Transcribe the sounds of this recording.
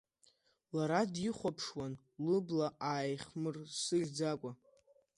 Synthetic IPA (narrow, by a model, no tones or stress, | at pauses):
laɾadiχʷapʰʂwan | lɨblaʔaːjχmɨrsɨɮʲd͡zakʷʼa